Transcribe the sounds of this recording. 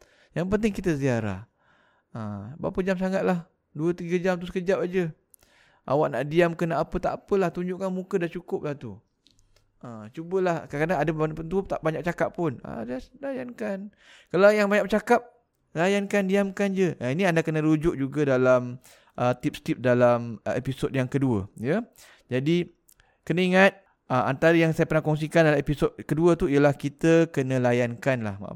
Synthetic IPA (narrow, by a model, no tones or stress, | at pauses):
jaŋp̬ənt̪̬ɪŋkit̪əziaɾa̰h | əba̰pəd͡ʒams̬aŋat̪̚lah | duət̪iɡad͡ʒamt̪usə̥kəd͡ʒap̚ad͡ʒə | ʔa̰waʔnaʔdiamkənaʔapət̪aʔapəlaht̪uɲd͡ʒʊʔkanmukədat͡ʃukʊp̚laht̪u | ʔət͡ʃubəlahkkːadaŋadəpanpənt̪̬uəp̚t̪aʔbaɲak̚t͡ʃakapːʊnə̰dadajankan | kalawjaŋbaɲak̚p̚t͡ʃakap̚ | lajankandiamkand͡ʒəʔiniandakənəlud͡ʒʊʔ̚d͡ʒuɡadalam | ʔət̪ip̚st̪ip̚dalamepisodjaŋkəduəjə | d͡ʒadi | kənəiŋat̪̚ | əa̰nt̪aɾəjaŋsajapərnahkɔŋs̬ikandalaepisod̚kəduət̪uijəlahkit̪əkənə̃lajankanla̰ha̰